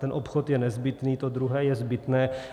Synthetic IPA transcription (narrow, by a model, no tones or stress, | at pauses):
t̪ɛnʔopxot̪jɛnɛzbɪt̪niːt̪od̪ɾuɦɛːjɛzbɪt̪nɛː